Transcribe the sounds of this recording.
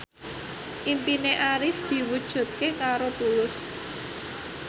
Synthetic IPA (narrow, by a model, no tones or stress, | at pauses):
ʔimpineʔaɾɪfd̪̥i̤wud̥ʒ̥ṳt̪̚kekaɾot̪ulʊs